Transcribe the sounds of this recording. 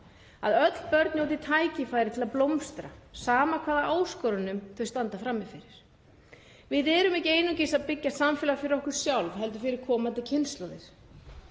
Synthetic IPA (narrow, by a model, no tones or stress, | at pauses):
a̰ðœt̪l̥pœɾt̪njowt̪ɪt̪ʰaːjcɪfaːjɾɪt̪ʰɪlaðplomst̪ɾasaːmakʰv̥aːðaʔaːwskɔːɾanʏmθœɥjst̪ant̪afɾamːɪfɪɾɪɾ̥ | vɪðɛɾʏmɛhcɪejnucɪsaðpɪcːasamfɛːlafɪɾɪɾɔhkʏɾ̥sjawlvɦɛlt̪̬ʏɾfɪɾɪɾ̥kʰɔːmant̪ɪcʰɪnst̪lowðɪɾ̥